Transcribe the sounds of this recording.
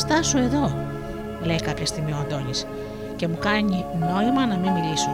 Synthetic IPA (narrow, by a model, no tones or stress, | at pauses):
st̪ɐsoe̞ðo̞ | le̞jkɐpçɐst̪imioɐnd̪o̞nis | ce̞mukɐɲino̞imɐnɐmimmilisu